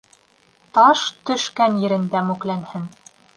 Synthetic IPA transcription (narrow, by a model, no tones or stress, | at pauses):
t̪ɑʃt̪ɵ̆ʃkænjɘ̆ɾɘ̆nd̪æmʉklænhɘn